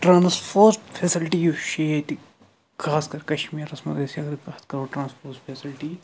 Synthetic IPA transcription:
ʈɾãːnspʰoːsfʰeːsɪlʈijuʃejɐt̪i | kʰaːskɐɾkɐʃmiːɾɐsmɐd̪esiɐɡɾpɐt̪ʰkɐɾoːʈɾãːnspoːɾsʈpʰeːsɪlʈi

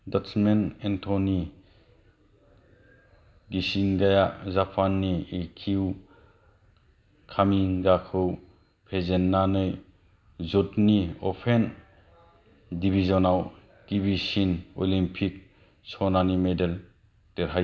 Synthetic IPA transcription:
datsmenentʰoni | ɡisiŋɡajazapʰanːiikʰiw | kʰamiŋɡakʰɯw | pʰezenːanɯj | zɔtniɔ̰pʰen | dibʱizɔnaw | kibisinɔ̰limpʰik̚ | sɔnanimedel | teɾɦaj

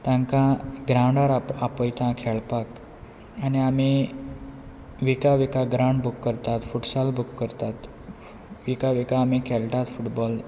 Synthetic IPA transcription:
t̪ãŋkãɡɾãwɳɖaɾaapəjt̪ãkʰɛɭpak | aniami | ʋikaʋikaɡɾãɳɖbukːəɾt̪at̪fuʈsalbukːəɾt̪at̪ | ʋikaʋikaːmikʰɛlʈ̪at̪fuʈbɔl

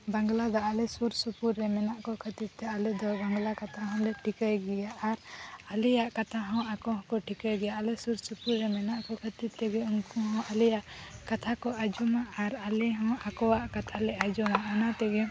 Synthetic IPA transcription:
baŋɡlad̪ɔalɛsuɾsupuɾːɛmɛnaʔkɔkʰət̪id̪̚t̪ɛalɛd̪ɔbaŋɡlakat̪ʰaɦɔ̃lɛʈʰikajɡɛjaʔːɾalɛjaʔkat̪ʰaɦɔ̃akɔɦɔ̃kɔʈʰikajɡɛjaalɛsuɾsupuɾːɛmɛnaʔkɔkʰət̪it̪ɛɡɛunkuɦɔ̃ʔalɛjaʔkat̪ʰakɔʔad͡ʒɔmaʔaɾalɛɦɔ̃akɔwaʔkat̪ʰalɛad͡ʒɔmaʔanat̪ɛɡũ

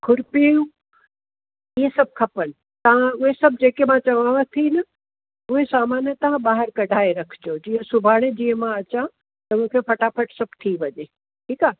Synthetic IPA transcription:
kʰʊɾpiũ | iɦesɐb̚ʱkʰɐpən | t̪ɐʋ̤ãʊɦesɐb̚ʱd͡ʑeːkemãt͡ɕɐʋaːʋət̪ʰinɐ | ʊɦesaːmaːnjət̪ɐɦãɓaːɦəɾkɐɖʱaːeɾɐkʰd͡ʑod͡ʑiːɦə̃sʊbʱaːɽ̃ed͡ʑĩːɦə̃mãɐt͡ɕã | t̪ɐmũːkʰepɐʈaːpəʈsɐbʱt̪ʰiʋɐɲe | ʈʰiːkaː

